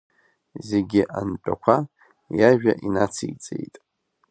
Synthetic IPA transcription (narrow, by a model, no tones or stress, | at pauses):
zeɡʲiʔant͡pʼakʷʰa | jaʒᶣaʔinat͡sʰijt͡sʼḛjtʼ